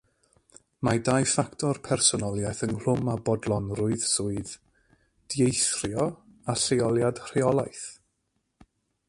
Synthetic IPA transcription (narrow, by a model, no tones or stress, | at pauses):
madajfaktʰɔrpʰɛrsɔnɔlˠjaθənl̥ʊmabɔdlˠɔnrʊɨð̥sʊɨð | d̥jejθrjɔ | asejɔlˠjad̥r̥eɔlˠajθ